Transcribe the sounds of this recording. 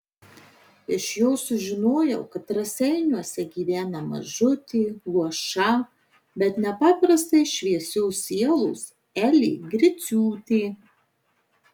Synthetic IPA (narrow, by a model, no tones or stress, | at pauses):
ɪʃjoːsʊʒʲɪnoːjɛʊkɐt̪ːɾɐsʲɛɪnʲuɔsʲɛɡʲiːʋʲæːnɐmɐ̰ʒʊt̪ʲiːɡˠuɔʃɐ | bʲɛt̪nʲɛpɑːpɾɐst̪ɐɪʃʲʋʲiɛsʲʊːsʲiɛlˠʊːs | ɛlʲiːɡɾʲɪt̪sʲuːt̪ʲiː